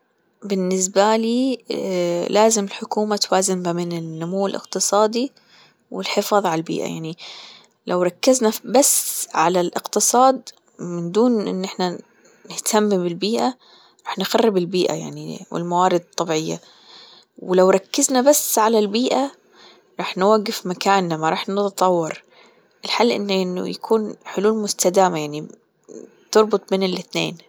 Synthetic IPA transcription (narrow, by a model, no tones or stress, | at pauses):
bɪnːɪs̬baliː | laːzɪmɪlħʊkuːmat̪waːzɪmbamɪnɪnːʊmuːɪlʔɪ̰qt̪ɨsˤɑːd̪i | wɪ̰lħɪfɑːðˤʕaalbḭːʔa̰ja̰ʕni | lʔawɾˤɑkːɪznabasʕalalʔɪqt̪ɨsˤɑːd̪ | mɪnd̪uːnʔɪ̰nːʔɪħna | nɪht̪ʰamːbɪlbiːʔa | ɾˤɑːħnɪxɑrːɪbɪlbiːʔa̰ja̰ʕnḭwɪ̰lmawaːɾɪd̪̚t̪ˤːɑbiʕɪjːa̰ | wɪlawɾˤɑkːɪznabasːʕalalbiːʔa | ɾˤɑːħnwaɡːɪfmakaːnːamːaɾˤɑːħnɪt̪t̪ˤɑwːɑɾˤ | ʔɪlħalːʔɪ̰nːʔɪnːʊ̰ja̰kʰuːnħʊluːlmʊst̪ad̪aːmajaʕni | t̪ɨɾˤbʊt̪ˤmeːnɪlʔɪθnḛːn